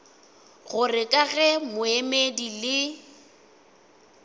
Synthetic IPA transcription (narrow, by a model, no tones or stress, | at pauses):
ɣʊrɪkʼaɣɛmʊemedilɪ